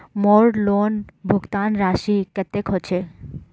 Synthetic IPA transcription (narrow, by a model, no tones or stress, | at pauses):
mɔɾlonbʱoɡt̪anɾaʃikɛt̪ːekɦɔt͡ɕʰe